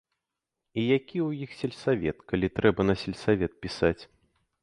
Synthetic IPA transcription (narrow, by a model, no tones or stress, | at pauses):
ijakʲiwjixsʲɛlʲsavʲɛt̪kalʲit̪ɾɛbɐnɐsʲɛlʲsavʲɛt̪̚pʲisat͡sʲ